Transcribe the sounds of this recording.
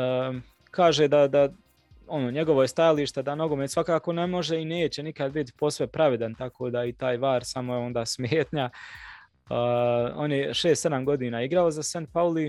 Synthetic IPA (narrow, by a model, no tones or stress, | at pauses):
kaːʒeːd̪ad̪a | o̞noːɲe̞ɡo̞ʋojest̪ajaliːʃt̪ed̪ano̞ɡomeːt̪sʋakaːko̞ne̞mo̞ʒeine̞ːt͡ɕenikad̪̚bit̪po̞sʋe̞pɾaʋed̪ant̪akoːd̪ait̪aːjʋaːɾsamoeo̞nd̪aːsmjeːt̪ɲa | o̞̰njeʃe̞ːst̪se̞d̪amɡo̞d̪iːnaːiɡɾaozasant̪̚pauli